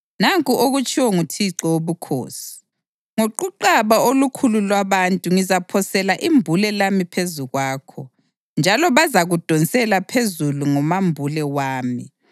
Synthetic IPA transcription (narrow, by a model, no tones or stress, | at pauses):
naŋkʼuʔoɣut͡ʃʼiwɔŋutʰiǁɔwoβukʰo̰ːsi̥ | ŋoǃuǃaβaolukʰululwaβantʼuŋizapʰɔsɛlaʔimbʱulɛlamipʰezuɣwaːkʰɔ | nd͡ʒʱalɔβazaɣud̥ʱɔnt͡sʼɛlapʰezuluŋɔmambʱulɛwaːmḭ